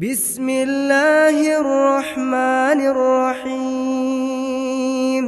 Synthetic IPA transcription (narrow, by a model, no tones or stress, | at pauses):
bɪsmɪlːaːhrˤːɑħmaːnrˤːɑħi | m